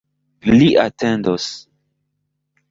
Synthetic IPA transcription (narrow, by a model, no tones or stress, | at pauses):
liʔatʰendos